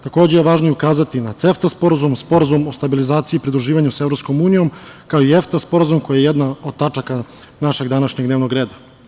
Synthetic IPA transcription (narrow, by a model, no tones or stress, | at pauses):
t̪ako̞ːd͡ʑejeʋaːʒnojeukaːzat̪inat̪se̞ft̪aspo̞ɾazumspo̞ɾazumo̞st̪abilizaːt̪sipɾid̪ɾuʒiːʋaɲuseʋɾopsko̞muːnijo̞mkaoieft̪aspo̞ɾazumko̞jajeje̞d̪naod̪̚t̪at͡ʂaka | naʃe̞ɡd̪anaʃɲeɡd̪neːʋno̞ɡɾeːd̪a